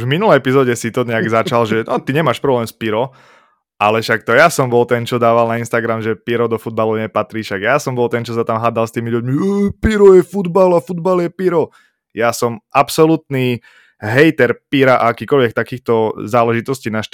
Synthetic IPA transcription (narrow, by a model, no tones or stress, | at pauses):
uʒvminulɛjɛpizɔɟɛsit̪ɔɲɛaɡzat͡ʃalʒɛnɔt̪iɲɛmaːʃpɾɔblɛːmspiɾɔ | ʔalɛʃak̚t̪ɔjasɔmbɔlt̪ɛnt͡ʃɔd̪aːʋalnainst̪aɡɾamʒɛpiɾɔd̪ɔfud̪̚balɔɲɛpat̪ɾiːfʃaɡjasɔmbɔlt̪ɛnt͡ʃɔsat̪amɦaːd̪alst̪iːmiʎuɟmiɛpiɾɔjɛfud̪balafud̪baljɛpiɾɔ | jasɔmʔapsɔlut̪ni | ɦɛjt̪ɛɾpiɾaʔaakiːkɔʎʋɛkt̪akiːxt̪ɔzaːlɛʒit̪ɔsciːnaʃt̪